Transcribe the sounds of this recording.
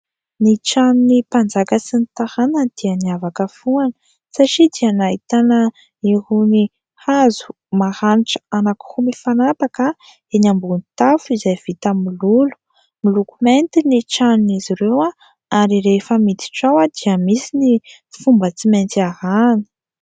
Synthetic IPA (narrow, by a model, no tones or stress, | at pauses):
niʈ͡ʂaninipand͡zakəsinit̪ahanəd̪̥iəniavakəfuanə̥ | saʈ͡ʂid̪iənaɦit̪anə | iɦuni | hazu̥ | mahaniʈ͡ʂə̥anaku̥humifanapakə | enambunit̪afizajv̥it̪əmilulu̥ | milukument̪iniʈ͡ʂanniziɾewa | aɾiɾefəmit̪i̥ʈ͡ʂawad̪̥iəmisini | fumbət͡siment̪iaɾanə̥